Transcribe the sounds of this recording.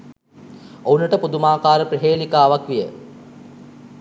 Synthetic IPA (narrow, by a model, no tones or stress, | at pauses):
ounəʈəpud̪umaːkaːɾəpɾiɦeːlikaːʋakʋijə